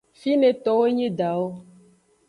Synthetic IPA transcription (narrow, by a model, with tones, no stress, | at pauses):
fi˦nẽ˨t̪ɔ˨wo˦ɲĩ˦ɖa˨wo˦